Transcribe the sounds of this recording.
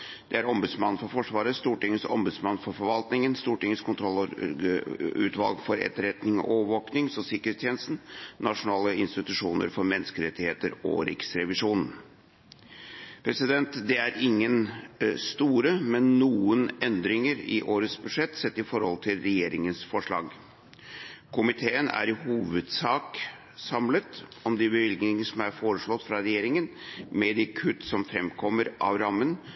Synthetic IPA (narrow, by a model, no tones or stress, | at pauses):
d̪̥ɛæɾɔmbʉd̪smɑnːn̩fɔɾfɔʂʋɑːɾəst̪uːʈɪŋːəsɔ̰mbʉd̪smɑnːfɔɾfɔɾʋɑlt̪nɪŋənst̪uːʈɪŋːəskʰʊnt̪ʰɾɔlː | ʉ̰ːt̪ʰʋɑlɡfɔɾɛ̰t̪ːəɾɛt̪nɪŋɔ̰ʔoʋoːknɪŋsɔsɪkːəɾetst̪ʰjɛːnəst̪n̩nɑʂʊnɑːləɪnst̪ɪt̪ʉʂuːnə̰ɾfɔɾmɛnːskəɾɛt̪ːɪheːt̪əɾɔ̰ɾɪ̰ksɾɛʋɪʂuːnn̩ | pʰɾɛsɪd̪ɛnt̪d̪ɛæɾɪŋːənst̪uːɾəmɛnːuːənɛnd̪ɾɪŋəɾɪ̰ʔoːɾəsbʉʂɛt̪ːsɛt̪ːɪfɔɾhɔlt̪ʰɪlɾɛjeːɾɪŋənsfɔʂɭɑ̰ːɡ | kʰʊmɪt̪ʰeːənæ̰ɾɪhuːʋəd̪sɑːk | sɑmlət̪ɔmd̪ɪbəʋɪlɡnɪŋəsɔmæɾfoːɾəʂɭɔt̪ːfɾɑɾɛjeːɾɪŋənmɛd̪ɪkʰʉt̪ːsɔmfɾɛmkʰɔmːəɾʔɑ̰ʋɾɑmːən